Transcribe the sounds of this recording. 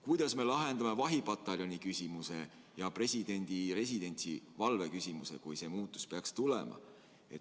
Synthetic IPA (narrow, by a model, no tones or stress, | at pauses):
kujd̪ɑsme̞lɑɦe̞nd̪̥ɑme̞vɑɦibɑt̪ːˑɑlʲjo̞nʲikysʲimuse̞ | jɑpre̞sʲid̪e̞nʲd̪̥ire̞s̬ʲid̪e̞nʲt̪sivɑlve̞kysʲimuse̞̰kujse̞ːmuːt̪ˑːu̥speɑkst̪ulḛmʔɑ̰ | e̞t̪